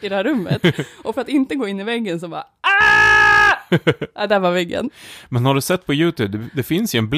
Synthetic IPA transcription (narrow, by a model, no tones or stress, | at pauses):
ɪd̪ɛhæɾɵmːə̰t̪ʔɔfœɾat̪ɪnt̪əɡoːɪnːɪvɛɡːənsɔbɑ̰ːɾ | a | ad̪ɛhæɾvaɾvɛɡːə̰nmɛnhaɖɵsɛt̪ːpʰɔjʉ̟ːt̪ʰʉːb̚d̪ɛd̪ɛfɪnsjɵɛnbl